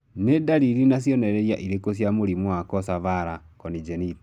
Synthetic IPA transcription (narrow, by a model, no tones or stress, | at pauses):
nedaɾiɾinasjɔnɛɾɛɾja̰ʔiɾekos̬jamoɾimwakɔsaβaɾa | kɔnid͡ʒenit